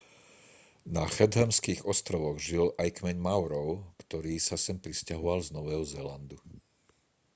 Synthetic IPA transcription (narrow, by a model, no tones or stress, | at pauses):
naxɛd̪ɦɛmskiɣɔst̪ɾɔʋɔɣʒilajkmɛɲmaʊɾɔʊkt̪ɔɾiːsasɛmpɾiscaɦɔʋalznɔʋɛːɦɔzɛland̪u